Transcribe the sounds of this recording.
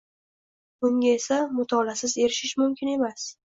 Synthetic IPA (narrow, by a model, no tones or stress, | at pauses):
b̥ʊŋɡʲaesamʊt̪ʰɒlasɪze̞ɾɪʃɪʃmʊmkʲʰɪne̞mas